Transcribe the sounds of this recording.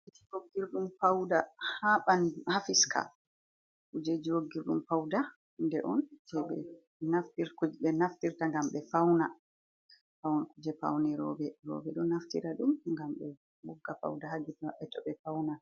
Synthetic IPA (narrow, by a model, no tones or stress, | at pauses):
itiɾoɡːiɾɗumpawdahaɓanhafiskʰa̰ | kud͡ʒed͡ʒiɾoɡːiɾɗumpawda | ndɛʔɔnd͡ʒɛɓɛ̰ | naftiɾkuɓɛnaftiɾtaŋɡamɓɛfawna | fawnakud͡ʒɛpa̰wnɛɾɔ̰bɛɾɔ̰bɛɗɔnaftḭɾaɗumŋɡamɓɛ | wɔɡːafa̰wdaɦad͡ʒitɓɛtɔɓɛfawna